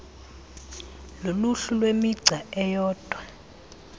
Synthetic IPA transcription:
loluɬulwemiɡ͡ǀʱaɛjɔːd̥ʱwa

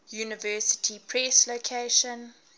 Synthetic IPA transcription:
juːnɪvɜːˑsɪ̥tʰipʰɹɛslokʰeʃə̃n

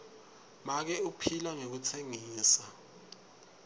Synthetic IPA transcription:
mak̬ɛupʰilaŋek̬ut͡sʰeŋiiːsa

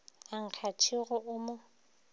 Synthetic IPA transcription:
aŋ̩kʰat͡ʃʰɪɣʊʔʊːmʊ

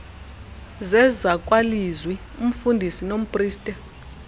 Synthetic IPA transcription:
zɛzakʼwalizwi | um̩fundʱisinom̩pʼriːstʼɛ

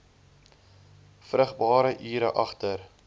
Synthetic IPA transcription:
frəχbɑːɾəʔiːɾə̰ʔɐχtər

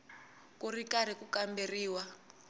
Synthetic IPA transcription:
kurikaɾikukamberiːwa

